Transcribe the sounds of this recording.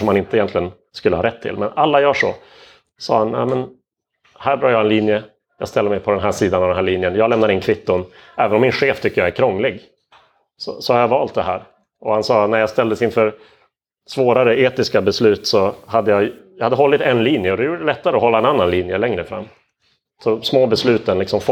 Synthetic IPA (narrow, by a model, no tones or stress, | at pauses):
ɔmːanɪnt̪əɪjɛnt̪lɪɡən | skɵlːəhɑːɾɛt̪ʰːɪ̰lmɛnalːajœːʂɔ̰ | sɑːhanjæ̰mən | hæːɾbɾɑːɾjɑɛnliːnjə | jɑ̰ːɡst̪ɛlːəmɛjpʰɔd̪ɛnɦæːʂiːd̪anaɔvd̪nɦæːliːnjənjɑːɡlɛmnaɾɪnkʰɾɪpt̪ːʊnɛːvənɔmːɪnɧeːft̪ʰʏkːəjaæɾkʰɾɔŋːlɪɡ | sɔ̰sɔhaɾjɑvɑːlt̪̚d̪ɛɦæːɾ | ʔɔhansɑːnæɾjɑːst̪ɛld̪əsɪnfœɾ | svoːɾaɾəʔeːt̪ɪskabɛslʉ̟ːt̪sɔhad̪ːəjɑjɑhad̪ːəɦɔlːɪt̪ɛnliːnjəɔd̪ɛjuːɖəəlɛt̪ːaɾəɔɦɔlːaɛnanːanliːnjəlɛŋɾəfɾa̰mː | sɔsmoːbɛslʉ̟ːt̪ənlɪksɔmf